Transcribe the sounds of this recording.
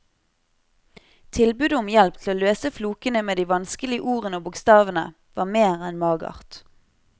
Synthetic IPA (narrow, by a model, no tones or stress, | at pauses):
t̪ʰɪlbʉd̪ʊmjɛlpt̪ʰl̩oːløːsəfluːkənəmeːd̪iːʋɑnskəlɪəʔuːʁənəoːbʊkst̪ɑːʋənə̰ | ʋɑːmeːʁɛnmɑːɡɑ̰ʁt̪